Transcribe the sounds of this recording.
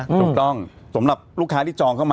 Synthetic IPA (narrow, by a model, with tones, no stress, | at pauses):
t̪ːuː˨˩t̪ɔ˥˩ŋ | sa˩˦mɾa˨˩p̚ɾuː˥˩kʰaː˦˥t̪ʰiː˥˩t͡ɕɔː˧ŋkʰa˥˩wma˧